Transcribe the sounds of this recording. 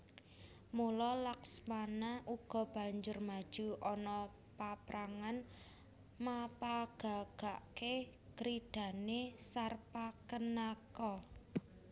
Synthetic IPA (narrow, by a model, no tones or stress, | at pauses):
mulɔlaksmanaʔuɡ̥ɔ̤b̥ä̤ɲd͡ʒʊrmad̥ʒ̥uʔɔnɔ | papɾaŋan | mapaɡ̥a̤ɡ̥a̤ʔkekɾid̪̥a̤nesarpakənakɔ